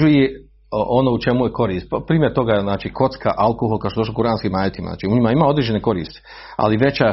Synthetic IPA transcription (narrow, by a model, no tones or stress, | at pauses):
uje | ʔonout͡ʃemujeko̞ɾiːst̪ppɾiːmʲjeɾt̪o̞ɡaznaːt͡ʃiːkʰo̞t̪skaʔalkoɦolˠkaoʃtod̪oʃlokuɾaːnskimaːjet̪ima̰za̰ːt͡ʃiuɲimaimaːod̪ɾiːd͡ʒe̞neko̞ɾḭːst̪i̥ | a̰liʋe̞t͡ɕa